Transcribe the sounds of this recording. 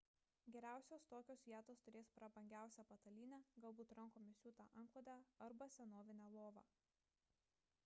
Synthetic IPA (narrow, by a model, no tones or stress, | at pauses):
ɡʲɛɾʲæˑʊsʲoːst̪oːkʲoːsʋʲiɛt̪oːst̪ʊɾʲeːspɾɐbɐŋʲɡʲæˑʊsʲæpɐt̪ɐlʲiːnʲæɡɐlˠbuːt̪ɾɐŋˑkoːmʲɪsʲuːt̪ɑ̰ʔɐŋklˠod̪ʲæɐɾbɐsʲɛnoːʋʲɪnʲælˠoːʋɑ̰ː